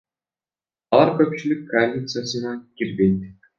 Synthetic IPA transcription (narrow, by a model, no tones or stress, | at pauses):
ɑlˠɑɾkʲɵpɕilʲikʲːoalʲːit̪sɨjasɨnɑkʲirʲbʲet̪ʲː